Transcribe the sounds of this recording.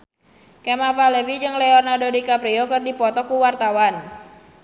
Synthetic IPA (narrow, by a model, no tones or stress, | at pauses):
kɛmavalevid͡ʒɨŋlɛɔrnadodikapɾiɔkɨrdipɔt̪ɔkuwart̪awan